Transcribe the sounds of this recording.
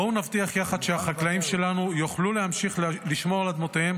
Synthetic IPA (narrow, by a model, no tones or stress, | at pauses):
bounavt̪iaχjaχad̪ʃehaχaklaimʃe̞lanujoχlule̞hamʃiχliʃmo̞ʁalad̪mot̪ehem